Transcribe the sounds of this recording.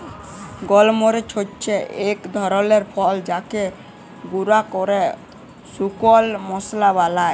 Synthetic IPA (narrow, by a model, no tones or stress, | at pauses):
ɡɔlmoɾet͡ʃʰott͡ʃʰeʔekd̪ʱɔɾɔleɾpʰɔld͡ʒake | ɡuɾakɔɾe | sukɔlmɔslaβalaj